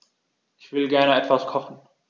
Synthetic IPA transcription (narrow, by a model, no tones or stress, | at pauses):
ʔɪçv̥ɪlɡɛɐnəʔɛtv̥askʰɔχn̩